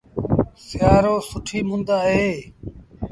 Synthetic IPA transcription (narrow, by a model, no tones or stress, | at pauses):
sɪjaːɾoːsʊʈʰiːmʊnd̪aːɦeː